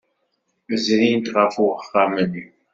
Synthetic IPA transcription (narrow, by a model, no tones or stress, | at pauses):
zɾint̪ʁəfuəχːamən